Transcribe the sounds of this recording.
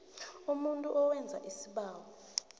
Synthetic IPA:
umuntʼuʔɔwɛnd͡zʱa̰ʔisiɓaːwɔ

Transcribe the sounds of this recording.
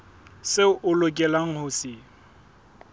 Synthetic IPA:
sɪʔʊlʊkʼɛlaŋ̩hʊsɪ

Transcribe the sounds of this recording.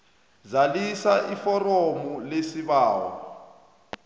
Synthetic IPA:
zalisaʔifɔromulesiβaːwɔ̰

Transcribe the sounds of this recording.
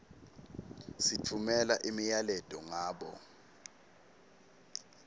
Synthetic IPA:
sitʰumɛlaʔimijalɛd̥ʱɔŋaːɓɔ̰

